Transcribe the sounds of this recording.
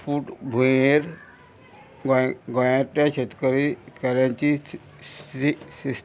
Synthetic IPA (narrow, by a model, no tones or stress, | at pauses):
fuʈbʱueɾ | ɡɡɔ̃jãʈ̪jat͡ɕʰet̪kəɾikɛljãɲt͡ɕi | isis